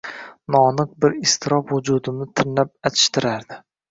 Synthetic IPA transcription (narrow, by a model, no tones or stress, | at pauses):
nɒnɨq̚bɪɾɪst̪ʰɪɾɒfhʊd͡ʒud̪ɪmnɪt̪ʰɪɾnap̚at̪ʰɪ̥ʃt̪ʰɪɾaɾd̪ɪ